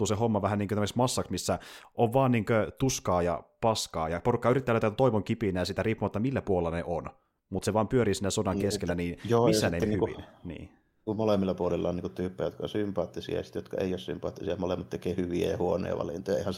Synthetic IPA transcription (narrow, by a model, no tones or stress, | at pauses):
uːsehomːɑʋæhæniːŋkøt̪æmæeksmɑsːɑksmisːæʔoʋʋɑːnniːŋkøt̪uskɑːjɑ̰pɑskɑːjɑporukːɑyrit̪ːæløyt̪æt̪t̪oiʋoŋkipinæjɑsit̪æriːpːumɑt̪ːɑmilːæpuolelɑneʔon | mut̪seʋɑːmpyøɾiːsinːesodɑŋkeskelːæniːnjoːmisːæneiihykʋḭnnḭː | kumolemːilːɑpuolilːɑoniːŋkut̪yːpːˑæjot̪̚kɑo̰nsympɑːt̪ːisḭɑ̰jɑsi̥t̪jot̪kɑḛijoˑːssy̰mpɑ̰ːt̪ːisijɑmolemːˑɑt̪t̪ekeːhyʋiḛjɑhuonḛːʋɑ̰lḭnt̪ojɑḛˑihæn